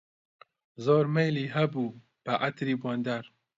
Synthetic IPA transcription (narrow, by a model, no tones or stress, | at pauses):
zoːɾmejliɦɐbuː | b̥ɐʔɐt̪ɾiːbɔnd̪aɾ